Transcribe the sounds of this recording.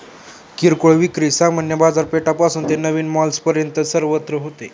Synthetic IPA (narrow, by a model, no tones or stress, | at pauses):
kiɾkoɭʋikɾisãmənjəbad͡zaɾpeʈapasuːnt̪enəʋiːnmɔlspəɾjənt̪əsəɾʋət̪ɾəɦot̪e